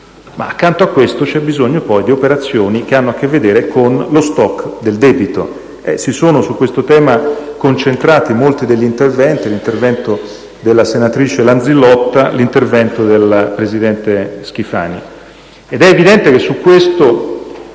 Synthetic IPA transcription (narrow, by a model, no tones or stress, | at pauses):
ma̰akːant̪oakːwest̪ot͡ʃɛbizoɲːopɔjd̪iopeɾat̪sːjoːnikeanːoakːevːed̪eːɾekʰonlost̪ɔkːd̪eld̪ɛːbit̪o̰ | ɛ̰sisoːnosukːwest̪ot̪ɛːmakont͡ʃent̪ɾaːt̪imolt̪id̪eʎːint̪ervɛnt̪ilint̪ervɛnt̪o | d̪elːasenat̪ɾiːt͡ʃeland̪zilɔt̪ːalint̪ervɛnt̪od̪elpɾezid̪ɛnt̪esk̟ifa̰ːni | ed̪ɛːvid̪ɛnt̪ekesːukːwest̪o